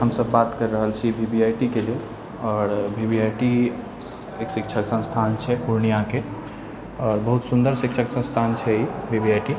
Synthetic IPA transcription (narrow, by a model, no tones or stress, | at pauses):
ɦəmsəbːat̪kəɾːəɦəlt͡ʃʰibʱibʱiajʈikelel | ɔːɾbʱibiajʈi | eksik̚t͡ʃʰəksə̃st̪ʰant͡ʃʰɛpuɾɳijake | ɔːɾbəɦut̪sund̪əɾsik̚t͡ʃʰəksə̃st̪ʰant͡ʃʰɛibʱibiajʈi